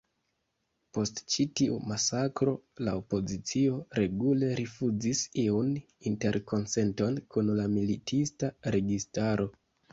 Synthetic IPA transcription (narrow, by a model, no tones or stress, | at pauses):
po̞stt͡ʃitiumasakɾo̞laopo̞zit͡sio̞ɾe̞ɡule̞ɾʔifud͡zisiun | inte̞ɾko̞nse̞nto̞nkunlamilitʰistaɾe̞ɡistaɾo̞